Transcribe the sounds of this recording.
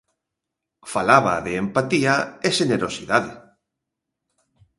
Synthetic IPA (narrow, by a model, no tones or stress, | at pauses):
falaβa̰ðeːmpat̪iaeʃeneɾosiðaðɪ